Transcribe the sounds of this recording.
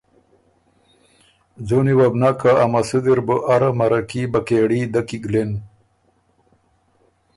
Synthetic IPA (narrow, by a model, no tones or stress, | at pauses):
d͡zoniwabnakaːmasud̪iɾbəʔaɾamaɾakibakeɽid̪akiɡlen